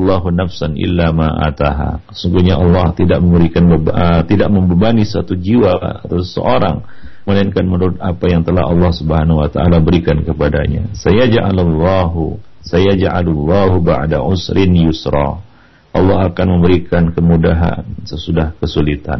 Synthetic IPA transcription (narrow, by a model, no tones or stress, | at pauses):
lˤːɑːɦunafsanʔɪ̰lːamaʔa̰t̪aɦa̰ | suŋɡuɲaʔɑlːɑht̪idaʔməmbəɾikanbət̪idaʔməmbəbanisat̪ud͡ʒiwasə̰ʔoɾaŋ | məlainkanmənuɾʊt̪̚apajaŋt̪əla̰ɦɑlːɑhsubəɦanhuwat̪aʔa̰labəɾikankəpadaɲa̰sajad͡ʒʕa̰lalːɑɦu | sajad͡ʒʕa̰lulːɑɦuba̰ʕda̰ʕʊsɾɪnjʊsɾɑ̰ | ʔɑlːɑɦakanməmbəɾikankəmudaɦa̰nsəsudahkəsulit̪a̰n